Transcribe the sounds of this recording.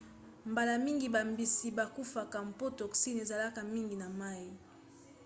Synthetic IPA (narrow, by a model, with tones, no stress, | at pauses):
mba˨la˨mi˦ŋɡi˨ba˨mbi˨si˨ba˨ku˦fa˨ka˨m̩˨po˦tɔ˨ksi˦n˨e˨za˨la˦ka˨mi˦ŋɡi˨na˨ma˦i˨